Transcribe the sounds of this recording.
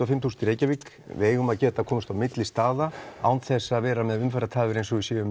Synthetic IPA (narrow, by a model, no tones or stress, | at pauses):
afɪmtθuːsnt̪iɾeːjcavik | v̰eːjɣʏmaðcɛːt̪akʰɔːmʏst̪awmɪt̪lɪst̪aːðaa̰wnt̪θɛsːaːðvɛːɾamɛðʏmfɛɾat̪ʰaːvʏɾejnsɔɣisjɛːvʏm